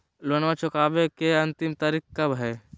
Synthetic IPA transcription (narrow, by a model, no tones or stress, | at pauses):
loːnʋat͡ʃʊkaːbekeɐ̃nt̪ɪmt̪aːɾik̚kɐbɦɛː